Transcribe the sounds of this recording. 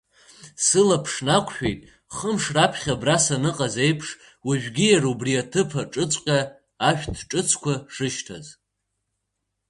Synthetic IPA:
sɨlapʰʂnakʷʰʼʃᶣejtʼ | χəmʂrapʰχʲabrasanɨqʼaze̞jpʰʂ | wiʒᶣɡʲijarubriatʰɨpʰaʈ͡ʂʼɨt͡sʷʼqʲʼaː | ʃᶣtʰʈ͡ʂʼɨt͡sʰkʷʰaʂɨʃtʰa̰z

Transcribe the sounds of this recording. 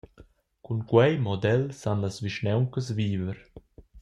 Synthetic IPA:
kunkwɛjmɔd̪ɛlsanlasviʃnɛwŋkəsviːvəɾ

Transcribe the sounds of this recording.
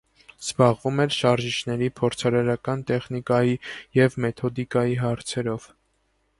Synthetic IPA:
z̥bɑʁvumɛɾʃɑɾʒit͡ʃʰnɛɾipʰɔɾt͡sʰɑɾɑɾɑkɑnt̪ɛχnikɑjijɛvmɛt̪ʰɔd̪ikɑjiɦɑɾt͡sʰɛɾɔv̥

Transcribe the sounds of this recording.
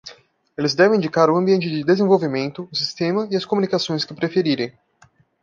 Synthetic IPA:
elɪzd̪ɛvẽĩd͡ʒikaɾʊɐ̃biẽnt͡ʃɪd͡ʒɪd̪ezẽvowvimẽnt̪ʊʊsist̪ẽmɐɪɐskomunikasõj̃skɪpɾefeɾiɾẽj̃

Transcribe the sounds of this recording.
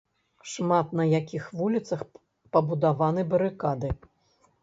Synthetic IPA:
ʂmat̪nɐjakʲixvulʲit̪sɐx | pɐbud̪avanɨbɐɾɨkad̪ɨ

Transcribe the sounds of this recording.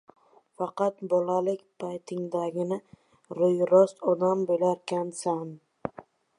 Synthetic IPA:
fɑqɑt̪bɒlalɪkʲpʰajt̪ʰɪŋd̪aɡʲɪnɪ | ɾʊjɾɒst̪ɒd̪ambolaɾkʲʰansan

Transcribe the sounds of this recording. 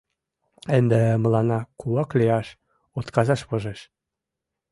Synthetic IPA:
ənd̪emə̆lɑnɑkuɑkliɑʃ | ot̪kɑzɑʃβɤ̆ʒeʃ

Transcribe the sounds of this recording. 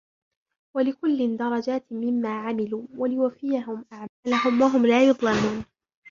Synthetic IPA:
walɪkʊlːɪnd̪ɑɾˤɑd͡ʒaːt̪mɪmːaːʕamɪluːwalɪwafɪjaɦʊmʔaʕmaːlaɦʊmwaɦʊmlaːjʊd̪ˤlamuːn

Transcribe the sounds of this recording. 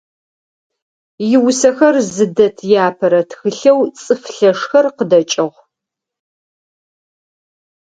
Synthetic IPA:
jɪwʊsɐxɐrzɨdɐtʰjaːpʰɐɾɐtxɨɬɐwt͡sʼɨfɬɐʂxɐrqədɐt͡ʃʼɪʁʷ

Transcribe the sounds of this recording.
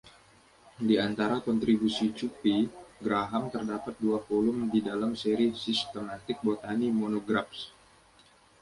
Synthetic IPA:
diant̪aɾakɔnt̪ɾibusit͡ʃupiɡɾaɦamt̪ərdapat̪̚duafolʊmdidalamseɾisist̪əmat̪ɪk̚bot̪animonoɡɾafs

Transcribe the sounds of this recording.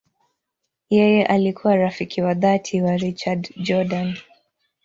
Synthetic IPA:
jɛjɛʔalikʰuwaɾafikʰiwaðatʰiwaɾit͡ʃadd͡ʒɔdan

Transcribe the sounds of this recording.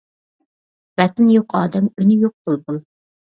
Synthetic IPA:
bɛt̪ɪnjoqʰɑːd̪ɛmynɪjoq̚tulˠd̪u

